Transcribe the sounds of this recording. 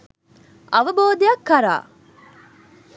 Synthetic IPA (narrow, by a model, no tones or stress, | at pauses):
ʔɐʋɐboːd̪ejɐkːɐɾa̰ː